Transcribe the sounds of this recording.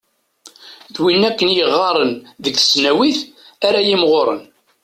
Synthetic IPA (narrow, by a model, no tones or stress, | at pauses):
ðwinːækːənjəʁːɑɾˤənðəɡθə̥snæwiθaɾajimʁoɾˤə̰n